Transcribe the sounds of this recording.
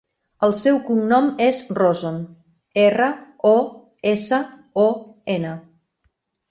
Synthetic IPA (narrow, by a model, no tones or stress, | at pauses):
əlˠsɛwkuŋnɔmezrozon | erə | ɔ | esə | ɔenə